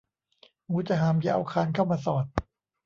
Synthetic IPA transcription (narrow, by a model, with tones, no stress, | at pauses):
huː˨˦˥t͡ɕa˧˨ɦaː˨˩˦mja˧˦ʔa̰˧wkʰaː˧nkʰa˥˩wmaː˧sɔː˨˩t̪̚